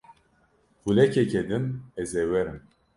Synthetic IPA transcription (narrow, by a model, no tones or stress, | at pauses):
hulɛkɛkɛd̪ɨnɛzɛwɛɾɨm